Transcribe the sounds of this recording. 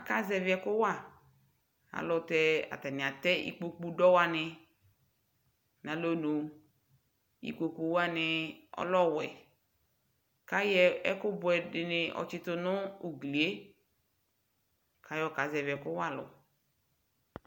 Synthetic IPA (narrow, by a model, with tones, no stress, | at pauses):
a˨ka˦zɛ˨vi˨˦ɛ˨kʊ˦wa˦˨ | a̰˨lʊ˨tɛ˦a̰˨tɛ˨nɪ̃˨a˨tɛ˦ḭ˦k͡po˦k͡pu˦dɔ˦wa˨nɪ˧ | nã˨lo˦no˨ | ḭ˨ko˨ku˨wa˦nɪ˨ɔ̰˦lɔ˦˨wɛ˨ | ka˦jɛ˦ɛ˦kʊ˦bʊ˨ɛ˨dɪ˨nɪ˨ʔɔ̰˨t͡ʃɪ˦tʊ˦nʊ˦u˨ɡli˨e˦ | kʰa˦jɔ˦˨ka˨zɛ˨vɛ˨kʊ˦wa˦˨lʊ̰˨